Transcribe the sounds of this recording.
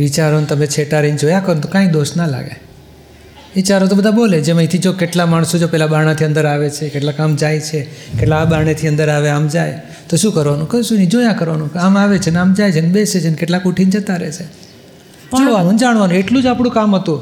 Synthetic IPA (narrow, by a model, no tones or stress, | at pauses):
ʋit͡ʃaɾont̪əmet͡ʃʰeʈaɾind͡ʒojakəɾont̪okãĩd̪oʃnala̰ɡḛ | ʋit͡ʃaɾot̪obəd̪ʱaboled͡ʒemə̃it̪ʰid͡ʒokeʈlamaɳ̃sod͡ʒopɛɦlaɓaɳ̃at̪ʰiə̃nd̪əɾaʋet͡ʃʰekeʈlakamd͡ʒajt͡ʃʰekeʈlabaɳ̃et̪ʰiə̃nd̪əɾaʋeamd͡ʒaj | t̪oʃũkəɾʋanũkəʃũnid͡ʒojakəɾʋanũamaʋet͡ʃʰenamd͡ʒajt͡ʃʰenebeʃet͡ʃʰenkeʈlakuʈʰind͡ʒət̪aɾɛ̰t͡ʃʰe | d͡ʒoɽʋanũnd͡ʒaɽʋanũeʈlũd͡ʒapɽ̃ũkamɦət̪ũ